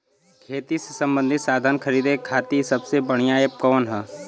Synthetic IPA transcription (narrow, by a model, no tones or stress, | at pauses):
kʰeːt̪isesɐ̃mbə̃nd̪ʱɪt̪saːd̪ʱənkʰəɾiːd̪ekʰːaːt̪isɐbsebəɽ̃ijaːepkɔːnɦɛ